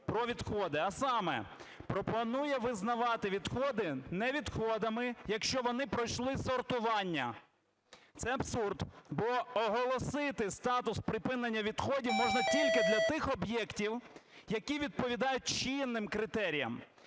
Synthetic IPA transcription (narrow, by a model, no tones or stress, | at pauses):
pɾɔʋʲid̪xɔd̪ɪɐsɑmɛ̰pɾɔpɔnujɛʋɪznɐʋɑt̪ɪʋʲid̪xɔd̪ɪnɛʋʲid̪xɔd̪ɐmɪjɐkʃt͡ʃɔʋɔnɪpɾɔjʃlˠɪsɔrt̪ʊʋɑnʲːɐ̰ | t̪sɛɐbsurd̪bɔɔɦɔlˠɔsɪt̪ɪst̪ɑt̪ʊspɾɪpɪnenʲːɐʋʲid̪xɔdʲiwmɔʒnɐtʲilʲkɪd̪lʲɐt̪ɪxɔbjɛktʲiwjɐkʲiʋʲid̪̚pɔʋʲid̪ɑjʊt̚ʲt͡ʃinːɪmkɾɪt̪ɛɾʲijɐ̰m